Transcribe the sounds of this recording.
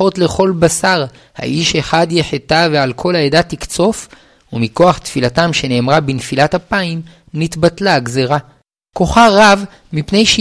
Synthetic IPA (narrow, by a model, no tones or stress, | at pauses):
o̞tle̞χo̞lbasaʁ | ha̰ʔiʃe̞χad̪jeħet̪avealkʰo̞laedat̪ikt͡so̞f | umiko̞aχt̪filatamʃe̞ne̞ːmʁabinfilat̪hapaim | nit̪batlaɡzeʁa | ko̞χaʁav | mipne̞jʃ